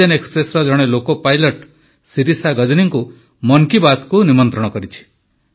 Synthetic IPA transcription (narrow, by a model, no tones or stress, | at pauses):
anekspɾesɾɔd͡ʒɔɽ̃elokɔpajlɔʈ | siɾisaɡʌd͡ʒniŋku | mɔŋkibat̪ʰkunimɔnt̪ɾɔɽ̃ɔkɔɾit͡ʃʰi̥